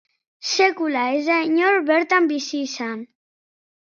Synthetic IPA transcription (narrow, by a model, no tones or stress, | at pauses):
sekulaezaɲoɾβeɾt̪ambisisan